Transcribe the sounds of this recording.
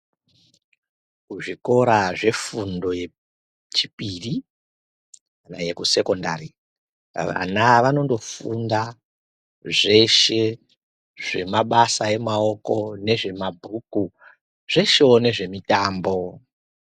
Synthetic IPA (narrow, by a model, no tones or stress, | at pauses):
kuʐiko̞ɾaʐe̞fundo̞je | t͡ʃipiri | kana̰je̞kuse̞ko̞nda̰ɾi | ʋa̰naʋano̞ndo̞funda | ʐe̞ʃe̞ | ʐe̞maɓasae̞mao̞ko̞ne̞ʐe̞mabʱuku | ʐ̥e̞ʃeone̞ʐe̞mitaːmbo̞